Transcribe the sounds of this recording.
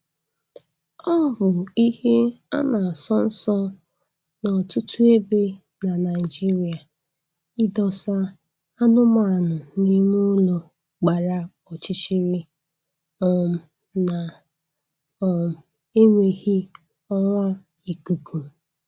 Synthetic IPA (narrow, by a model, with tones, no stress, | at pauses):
ɔ˦˨bʊ˨i˦he˦a̰˦na˨a˨sɔ˦n̩˦sɔ˦ | nɔ˨tu˦tu˦e˦be˦ | na˨na˨ɪ˨d͡ʒi˦ɾi˨a˨ | ɪ˦dɔ˦sa˦ | a˦nʊ˦ma˨a˨nʊ˨ni˦mu˦lo˨ | ɡ͡ba˨ɾa˦ | ɔ˨t͡ʃi˦t͡ʃi˦ɾi˦ | ɔ˨m̩˨ | na˨ | ɔ˨m˨ | e˦ŋʷe˨hi˦ | ɔ˦ŋʷa˦ | i˨ku˨kʰu˨